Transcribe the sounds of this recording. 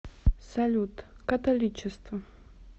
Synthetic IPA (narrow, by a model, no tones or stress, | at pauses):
sɐlʲut̪kɐt̪ɐlʲit͡ɕɪst̪vɐ